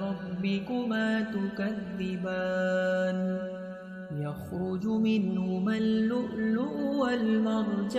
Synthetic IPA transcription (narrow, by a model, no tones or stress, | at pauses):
ɑbːɪkʊmaːt̪ʊkaðːɪbaːn | jaxɾʊd͡ʒʊmɪnhʊmalːʊʔlːʊʔwalmɑɾˤd͡ʒ